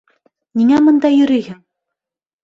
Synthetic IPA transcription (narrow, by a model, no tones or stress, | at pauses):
niŋæmɤ̆nd̪ɑjɵ̆ɾyjhɘŋ